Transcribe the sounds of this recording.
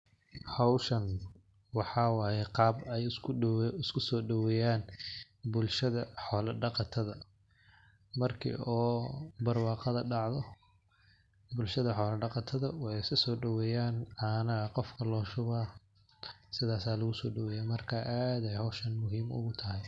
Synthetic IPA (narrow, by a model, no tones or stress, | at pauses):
hɔwʃɐn | wɑħɑːwɑːjɛqɑːbɛj | ɪskʰʊsɔːɖɐwɛːjaːn | bʊlʃɐðɐħɔːlɐɖɑqɑt̪ʰɐðɐ | mɐrkʰḭʔɔːbɐrwɑːqɑðɐɖɑʕðɔ | bʊlʃɐðɐħɔːlɐɖɑqɑt̪ʰɐðɐwɑɛjɪsɐsɔːɖɐwɛːjaːnɐnɐɣɐqɔfkʰɐlɔːʃʊβa | sɪðaːsaːlɐɣʊsɔːɖɐwɛːjɛːmɐrkʰaːʔaːd̪ɛjhɔwʃɐnmʊɦiːmʊ̰ɣʊt̪ʰɐɦɛj